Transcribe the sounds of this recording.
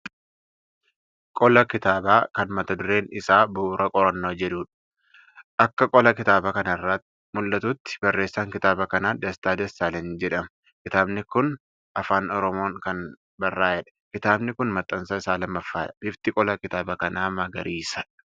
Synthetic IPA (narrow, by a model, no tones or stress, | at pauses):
kʼɔlɐkɪt̪aːbaːkɐnmɐt̪ɐd̪ʊɾe̞ːnɪsaːbʊːɾɐkʼɔɾɐnːoːd͡ʒɛᶑuːᶑɐ̥ | ʔɐkːɐkʼɔlɐkɪt̪aːbɐkɐnɐrːat̪ː | mʊlːɐt̪ut̪ːɪ̥b̥ɐrːe̞ːsːaːŋkɪt̪aːbɐkɐnaːd̪ɐst̪aːd̪ɐst̪aːlɛnd͡ʒɛᶑɐmɐ | kɪt̪aːbnɪkʊn | ʔɐfaːnɔɾɔmoːŋkɐn | bɐrːaːjɛᶑɐ̥kɪt̪aːbnɪkʊnmɐt̪ʼːɐnsɐɪsaːlɐmːɐfːaːɪft̪ɪkʼɔlɐkɪt̪aːbɐkɐnaːmːɐɡɐɾiːsɐᶑ